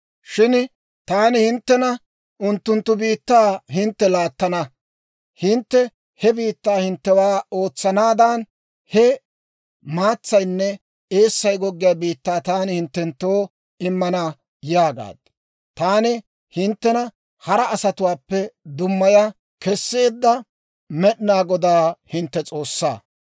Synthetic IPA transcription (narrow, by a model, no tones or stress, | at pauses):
ʃɪn | t̪aːnɪhɪnt̪ːɛnɐ | ʔʊnt̪ːʊnt̪ːʊbiːt̪ːaːɦɪnt̪ːɛlaːt̪ːɐnɐ | hɪnt̪ːɛ | hɛbiːt̪ːaːhɪnt̪ːɛwaːo̞ːt͡sːɐnaːd̪ɐːn | hɛ | maːt͡sːɐjnːɛ | e̞ːsːɐjɡɔɡːɪjaːbiːt̪ːaːt̪aːnɪhɪnt̪ːɛnt̪ːoː | ɪmːɐnɐ | jaːɡa̰ːd̪ | t̪aːnɪ | hɪnt̪ːɛnɐ | hɐɾɐːsɐt̪ʊwaːpːɛd̪ʊmːɐjɐ | kɛsːe̞ːd̪ːɐ | mɛɗɪnaːɡɔd̪aːhɪnt̪ːɛt͡sʼo̞ːsːa̰ː